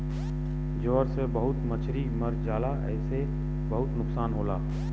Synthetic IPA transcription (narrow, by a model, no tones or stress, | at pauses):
d͡ʒoːɾsebɐɦʊt̪mɐt͡ʃʰɾiːmɐɾd͡ʒaːlaɛ̰ːse | bɐɦʊt̪nʊksaːnɦoːlaː